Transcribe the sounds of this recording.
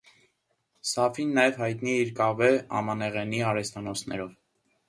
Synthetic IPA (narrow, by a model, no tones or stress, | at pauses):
sɑfinːɑjɛvhɑjt̪niɛiɾkɑvɛɑ̰mɑnɛʁɛniɑɾɛst̪ɑnɔsʰnɛ̰ɾɔv